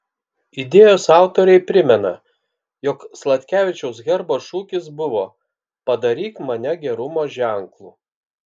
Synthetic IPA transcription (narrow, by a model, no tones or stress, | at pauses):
ɪd̪ʲeːjoːsɑˑʊt̪oːɾʲɛɪpʲɾʲɪmʲɛnɐ̰ | jɔkslˠɐt̪ʲkʲæːʋʲɪt͡ʃʲɛʊsɡʲɛɾboʃuːkʲɪsbʊʋoː | pɐd̪ɐɾʲiːt̪mɐnʲɛɡʲɛɾʊmoːʒʲæˑŋklˠuː